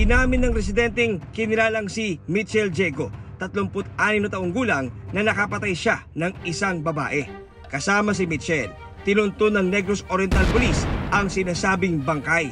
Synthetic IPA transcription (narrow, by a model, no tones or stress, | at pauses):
ɡɪnaːmɪnːɐŋɾɛs̬ɪd̪ɛnt̪ɛŋkɪnɪlaːlɐŋsimit̪t͡ʃɛld͡ʒɛɡo̞t̪ɐt̪lompʊt̪̚ʔaːnɪmnɐt̪ɐʔoŋɡuːlɐŋnɐnɐkɐpɐt̪ajʃanɐŋɪsaŋbɐba̰ːʔɛ | kɐsaːmɐs̬ɪmit̪t͡ʃɛl | t̪ɪnʊnt̪onːɐŋnɛɡɾosoɾjɛnt̪alpʊlisʔɐŋsɪnaːsaːbɪŋbɐŋkaj